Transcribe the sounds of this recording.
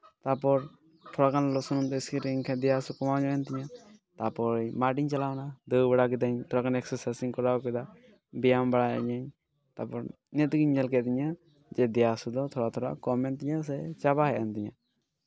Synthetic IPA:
t̪apɔɾ | t̪ʰɔɾakʰanlɔsɔnɔmt̪ɛskiɾiŋkʰɛd̪ɛjasukɔmawd͡ʒajant̪iɲat̪apɔɾmaʈiɲt͡ʃalawnad̪ɯbaɽakid̪aɲt̪ʰɔɾakanɛksɛɾsajsiŋkɔɾawkɛd̪a | bijambaɽaa̰ɲaɲ | t̪apɔɾ | nɛt̪uɡiɲmɛlkɛt̪iɲa | d͡ʒɛd̪ɛjasud̪ɔt̪ʰɔɾat̪ʰɔɾa̰kɔmɛnt̪iɲas̬ɛt͡ʃabahɛant̪iɲa̰

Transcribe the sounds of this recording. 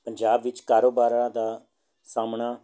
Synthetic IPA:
pəɲd͡ʒaːbʋɪt͡ʃkaːɾoːbaːɾãːd̪aː | saːmɳaː

